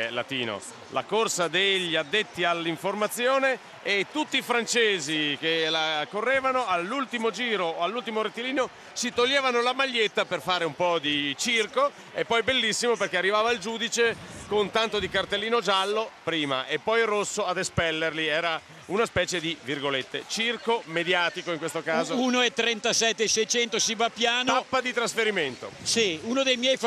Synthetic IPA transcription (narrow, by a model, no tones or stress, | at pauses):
la̰t̪ḭːno̰ | la̰korsad̪eʎːad̪ːet̪ːialːiɱformat̪sːjoːneː | t̪ːut̪ːiːfɾant͡ʃeːzik̟elakorːɛːvanoalːult̪imod͡ʒiːɾoalːult̪imoɾet̪ːiliːno | sit̪oʎːɛːvanolamaʎːet̪ːaperfaːɾeumpɔd̪it͡ʃirko | epːɔjbelːisːimoperkearːivaːvaild͡ʒuːd̪it͡ʃekont̪ant̪od̪ikart̪elːiːnod͡ʒalːopɾiːma̰ʔepːɔjrosːoad̪espɛlːerliɛːɾa | unaspɛːt͡ʃed̪ivirɡolet̪ːḛt͡ʃirkomed̪jaːt̪ikoiŋkwest̪okaːzounoɛt̪ːɾɛnt̪asɛt̪ːeːsɛjt͡ʃɛnt̪osivapːjaːnoapːad̪it̪ɾasfeɾiment̪o̰siunod̪ejmjɛjf